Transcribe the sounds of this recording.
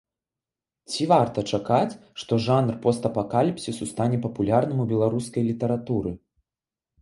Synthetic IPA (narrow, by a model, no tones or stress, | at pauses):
t͡sʲivart̪ɐt͡ʂakat͡sʲʂt̪ɔʐanrpɔst̪ɐpakalʲipsʲisust̪anʲɛpɐpulʲarnɨmubʲɛlˠaɾuskɐjlʲit̪ɐɾat̪uɾɨ